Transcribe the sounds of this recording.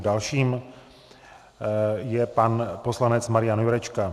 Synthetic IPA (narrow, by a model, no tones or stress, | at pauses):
dalʃiːm | jɛpanposlanɛt͡smaɾɪjanjuɾɛt͡ʃka